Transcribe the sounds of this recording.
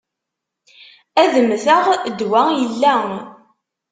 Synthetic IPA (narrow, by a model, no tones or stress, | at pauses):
æðəmθəʁd̪wæjəlːæ